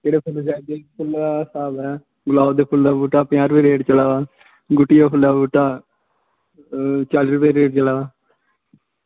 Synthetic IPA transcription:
d͡ʒeːɽeːpʰʊld͡ʒaːd̪eːpʰʊlasaːbɛː | ɡʊlaːod̪eːpʰʊld̪aːbuːʈaːpɪjãːɾʊpeːɾeːɖt͡ʃəlaːʋaː | ɡʊʈːɪjaːpʰʊld̪aːbuːʈaː | t͡ʃalɾʊpeːɾeːɖ̚t͡ʃəlaːʋaː

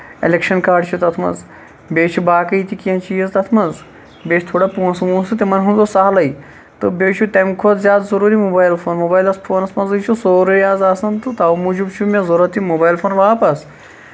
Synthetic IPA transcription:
ḛlekʃɐnkaːɖt͡ʃʰut̪ɐt̪ʰmɐ̰nz | bʲeːt͡ʃʰubaːkɐit̪ikijɐ̃nt͡ʃiːzt̪ɐt̪ʰmɐnz | bʲeːt͡ʃʰʲt̪ʰoːɽaːpuːnsɐmũːnsɨt̪imɐnɦũnzosɐɦlɐj | t̪ɨbʲeːt͡ʃʰut̪ɐmkʰod̪zʲjaːd̪zɐɾuːɾimuːbaːjlfʰoːnmoːbaːjlɐspʰoːnɐsmɐnzɨt͡ʃʰusoːɾujaːzaːsɐnt̪ɨt̪aːwmud͡ʒubt͡ʃʰumʲezɐɾɐt̪imobaːjlfʰoːnʋaːpɐs

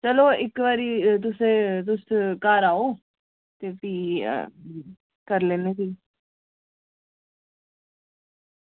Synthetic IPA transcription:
t͡ʃəloːɪkʋaːɾiːt̪̬ʊsẽːt̪̬ʊskaːɾaːoː | t̪eːpḭː | kəɾleːneːsiː

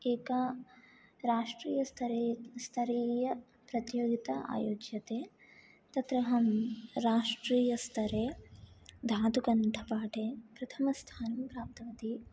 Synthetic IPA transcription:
eːkɐ | ɾaːʂʈɾiːjɐst̪ʰɐɾest̪ʰɐɾiːjɐ | pɾɐt̪joːɡit̪ɐa̰ːjoːd͡ʒjɐt̪eː | t̪ɐt̪ɾɐɦɐmɾaːʂʈɾiːjɐst̪ʰɐɾeː | d̪ʱaːd̪ukɐɳʈʰɐpaːʈeːpɾɐt̪ʰɐmɐst̪ʰaːnɐmpɾaːp̚t̪ɐʋɐt̪i

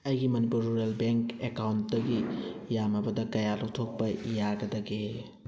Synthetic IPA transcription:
ɐjɡimɐnipuɾːuɾelbeŋkekawntdɐɡijamɐbɐdɐkɐjalok̚tʰok̚pɐjaɡɐdɐɡe

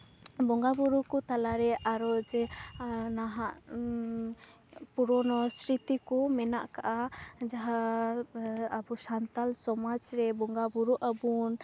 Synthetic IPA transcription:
bɔŋɡabuɾukɔt̪alaɾɛʔaɾɔd͡ʒɛ | naɦaʔ | puɾɔnɔsɾit̪ikɔmɛnaʔkaʔad͡ʒaɦa | abusant̪alsɔmad͡ʒɾɛbɔŋɡabuɾuʔabun

